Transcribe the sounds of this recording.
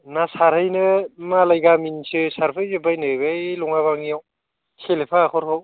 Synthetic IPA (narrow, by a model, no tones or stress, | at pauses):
nasaɾhɯjnɯmalajɡaminsɯsaɾpʰɯjzɯbajnɯbejlɔŋaβaŋijaw | sʰelepʰaːkʰɔɾhʰɯw